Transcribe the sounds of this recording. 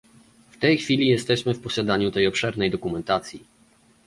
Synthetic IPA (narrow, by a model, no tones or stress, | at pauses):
ft̪ɛjxfʲilʲijɛst̪ɛɕmɘfpɔɕad̪aɲut̪ɛjɔpʂɛɾnɛjd̪ɔkumɛnt̪at̪sʲji